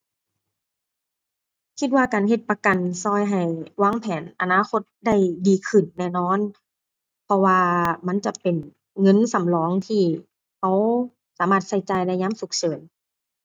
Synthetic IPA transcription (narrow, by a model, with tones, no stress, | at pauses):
kʰi˧t̪̚waː˧kaː˨nɦe˧t̪̚pa˧ka˨˩nsɔː˧˩˨jɦa˨˩jwaː˧˥˨ŋpʰɛː˨˦nʔa˨˩naː˧˥˨xo˧˦t̪̚da˥˩jdiː˨˦kʰɯ˧˩nːɛː˧˩nɔː˧˥˨n | pʰɔ˧waː˧ma˧˥˨nt͡ɕa˧˦pe˨n | ŋɤ˧˥˨nsa˨˦mlɔː˨˦ŋt̪ʰiː˧˩ | ʔa˧˩w | saː˨˦maː˧˩t̪̚sa˧˩jt͡ɕaː˨˩jla˧˩jɲaː˧˥˨msu˨˧˩k̚t͡ɕʰɤː˨˦n